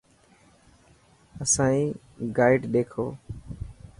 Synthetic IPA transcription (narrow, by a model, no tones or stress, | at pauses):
əsãːĩː | ɡaːɪɖɗ̪eːkʰo̰ː